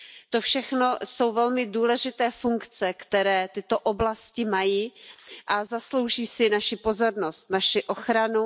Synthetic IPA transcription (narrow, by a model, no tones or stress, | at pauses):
t̪o̞fʃɛxno̞so̞wvɛlmɪduːlɛʒɪt̪ɛːfuŋkt͡sɛkt̪ɛɾɛːt̪ɪt̪o̞ʔoblascɪmajiːʔazaslo̞wʒiːsɪnaʃɪpo̞zo̞ɾno̞st̪naʃɪʔo̞xɾanu